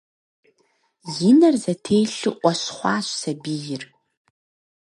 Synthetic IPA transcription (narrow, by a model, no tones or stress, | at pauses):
jɪnɐrzɐtʰeːjɬɨʔʷɔɕχʷɑːɕsɐbiːjɪr